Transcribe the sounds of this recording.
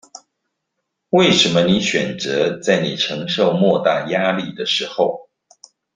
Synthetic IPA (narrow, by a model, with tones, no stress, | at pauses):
we˥˩ɪʂə˧˥nmə˧ni˨˧˥ɕɥɛ˨˩nt͡sɤ˧˦t͡sa˥˩ɪni˨˩ʈ͡ʂʰɤ˧˥ŋʂo˥˧ʊmwɔ˥˧t̪a˥˩ja˥li˥˩d̪ə˩ʂɻ̩˧˥xo˥˧ʊ